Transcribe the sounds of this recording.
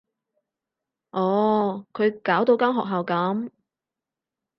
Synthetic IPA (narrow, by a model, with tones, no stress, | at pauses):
ʔɔː˨kʰɵ˨˧ɥkaː˨˥wt̪o˧wkaː˥mɦɔː˨k̚ɦa˨wkɐ˨˥m